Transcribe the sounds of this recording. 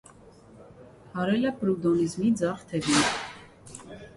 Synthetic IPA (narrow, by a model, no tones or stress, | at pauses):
hɑɾɛlɛpɾud̪ɔnizmid͡zɑχt̪ʰɛvin